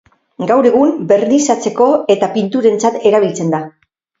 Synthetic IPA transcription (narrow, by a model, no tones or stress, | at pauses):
ɡawɾe̞ɣ̞umbe̞rnisat͡se̞ko̞e̞t̪apint̪uɾe̞nt͡sat̪e̞ɾaβ̞ilt͡se̞nd̪a